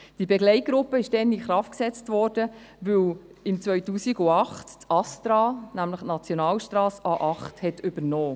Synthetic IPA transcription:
d̥ibɛɡlɛɪt̚ɡ̥ɾʊpːəɪʃd̥ɛnɪχɾɑft̚ksɛt͡stʋɔːɾd̥ə | ʋɵw | ɪmt͡svœʏtuːsiɡʊɑχttɑstɾɑːnæmləχtnɑt͡sjonɑːlʃtɾɑːsɑːʔɑχthɛtʏbəɾnɔː

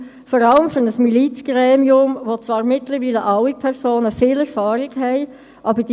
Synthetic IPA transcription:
fɔɾɑləmføʁnəsmilit͡sɡ̥ʁɛːmiʊmʋot͡svɑːɾmɪtləɾʋiːləʔɑwipʰɛʁsoːnəfiːlɛʁfɑːɾɪɡhɛɪ | ʔɑːbəd̥i

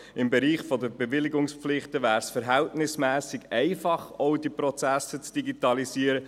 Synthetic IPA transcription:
ɪmbɛɾiːχfɔd̪əbevɪlɪɡʊŋsflɪχt̪əvæːɾsfəɾɦɛltnɪsmæːsɪɡɛɪfɑχoʊdipɾɔt͡sæsət͡sd̥iɡitɑlisiːəɾə

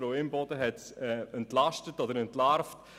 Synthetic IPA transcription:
ɾoɪmbɔdəɦɛtɛɛntlɑʃtətɔdəɾɛntlaɾft

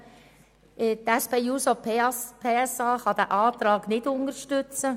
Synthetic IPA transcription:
ɪtæspeːjuːsopʰepʰeːɛsɑːχɑd̥̪æːʔɑːt̪ɾɑːɡ̥nɪdʊnəɾʃtʏt͡sə

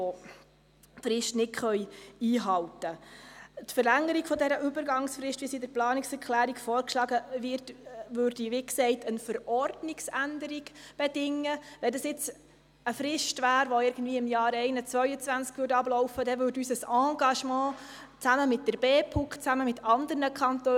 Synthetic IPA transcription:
o | fɾɪʃtnɪtχœʏiːɦɑlwtə | tfəɾlæŋːəɾikfɔdɛɾəʔybəɾɡɑŋsfɾɪʃtʋiəsidəɾplɑːnɪksɛɾkʰlæːɾiɡfɔːɾkʃlɑːɡəʋɪɾtʋøːɾdiʋiksɛɪtʰənfəɾɔrdnɪksændəɾiɡb̥ɛdɪŋːəʋɛndɑsɪt͡s | əfɾɪʃtʋæːɾʋoɪɾɡən̩dviːəɪmjɑːɾɛɪnət͡sʋœʏət͡sʋænskʋøːɾdɑblɔʊfədɛʋʏːɾdysəsɑ̃ːɡɑʃmɑ̃ː | t͡sæməmɪt̚d̥əɾbɛːpʰukt͡sæməmɪtʰɑndəɾnəkʰɑntøː

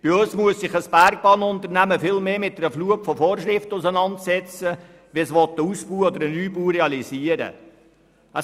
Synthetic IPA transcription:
b̥ɪøsmuəsːɪχəsb̥æɾk̚b̥ɑːnʊnt̪əɾnæməfɪlmeːmɪt̚dɛɾəfluəpfɔfoːrʃɾɪftəʊsənɑntsɛt͡sə | ʋisʋɔt̪ːəusb̥uːɔd̪əɾənyːbuːɾeɑliziəɾə̰ | ə

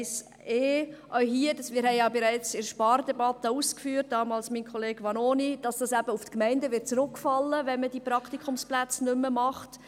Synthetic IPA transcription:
s | eːʔœʏɦiːədɑsmɪːɾhɛɪjɑːbɪɾæɪt͡sɪɾʃpɑːɾd̥ɛbɑt̪əuːskfyːt̚d̥ɑːmɑːlsmiːnkʰχɔleːɡ̥ʋɑnonid̥ɑsd̥ɑsæb̥əuftkmɛɪndəʋɪt̚t͡sɾʊkːfɑlːəvɛnməd̥iːpɾɑkt̪ikʰʊmsplæt͡snʏmːəmɑχt

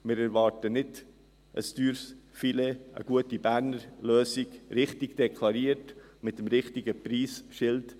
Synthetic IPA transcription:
mɪɾæɾvɑːɾtənɪd | ʔə̰styːɾsfileə̰ɡ̥uətibæɾnəɾløːsiɡ̥ɾɪχtɪɡd̥ɛkʰlˠɑɾiəɾtmɪt̪əmɾɪχtiɡəpɾiːsʃɪlt

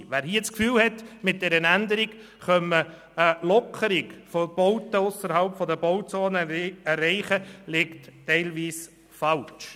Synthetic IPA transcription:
ʋæːɾhiət͡skfyːlhɛtmɪt̚d̥ɛɾənænd̪əɾiɡ | χœmə | əlɔkʰəɾɪɡfɔb̥ɔʊtəʊsəɾhɑlpfɔd̪əbɔʊt͡soːnəærːɛɪχəlɪkttɛɪlʋiːs | fɑlt͡ʃ

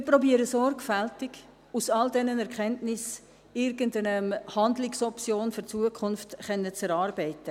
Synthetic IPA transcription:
mɪpɾɔbiːəɾəsɔɾrɡfæltɪɡ | usɑldɛnənɛɾkχɛntnɪs | ɪɾɡəndənəmhɑndlɪksɔpt͡sjoːnføɾt͡suəkʰʊnftχɛnːət͡sɛɾɑːɾbɛɪtə

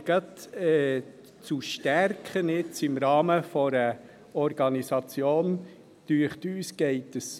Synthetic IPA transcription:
ɡ̥ɑt̪ɛ | t͡suʃtærkχənɪt͡sɪmɾɑːməfɔɾə | ɔɾɡɑnisɑt͡sjoːn | tyəχt̪yːsɡ̥ɛɪtəs

